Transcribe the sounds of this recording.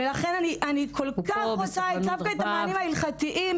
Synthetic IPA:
elaχenaniʔanikʰolkkaχosaedafkaetamaːnimhailχat̪iʔim

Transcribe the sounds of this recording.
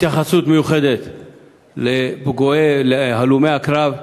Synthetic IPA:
it̪jaχasut̪mejuχed̪et̪ | lebeɡoeleɦalume̞jakɾav

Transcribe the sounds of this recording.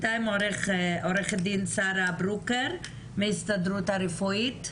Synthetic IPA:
taɪmɔɾɪχɔɾɪχədinsaɾabɾukəɾ | meːstadɾuːtaɾɪfɔjit

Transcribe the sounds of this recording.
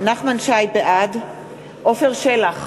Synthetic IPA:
naχmanʃajbeʔad | ʔofeʁʃelaχ

